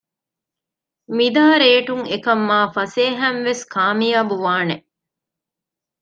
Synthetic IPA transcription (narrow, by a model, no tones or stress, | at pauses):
mid̪ɐɦɐɾeːʈuŋekɐmːaːfɐseːɦænʋeskʰaːmijaːbuʋaːne